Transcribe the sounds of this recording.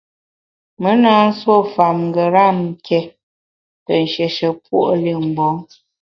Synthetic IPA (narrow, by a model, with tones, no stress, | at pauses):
mə˦na˦n̩˦swo˦˨fa˨mŋ˨ɡə˨ɾa˦˨m̩˨kʰɛ˨˦ | tə˨n˨ʃɛ˨ʃə˨pṵ˦ʔli˦˨m̩˨bɔ˨˦ŋ